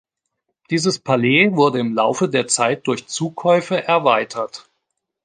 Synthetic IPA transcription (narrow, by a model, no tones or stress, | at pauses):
d̥iːzəspʰaleːvʊɐdəɪmlaʊfədeːɐt͡saɪt̚d̥ʊɐçt͡suːkʰɔʏfəʔɛɐvaɪtʰɐt